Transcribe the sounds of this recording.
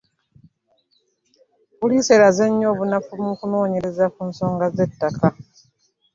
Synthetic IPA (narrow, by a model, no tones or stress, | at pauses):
βulise̞ɾaze̞ɲːo̞ːβunafumukuno̞ːɲe̞ɾe̞zakunso̞ːŋɡaze̞tːaka